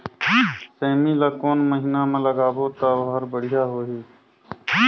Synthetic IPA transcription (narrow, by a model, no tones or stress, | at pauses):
seːmilaːkoːnməɦɪnamẽləɡaːboːt̪aʋɦəɾbəɽ̤ɪjaːɦoːɦiː